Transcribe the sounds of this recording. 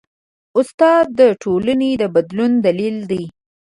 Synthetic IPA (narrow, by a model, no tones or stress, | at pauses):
ʊst̪ɑd̪̚ːəʈʰolaned̪əbad̪lund̪alild̪əj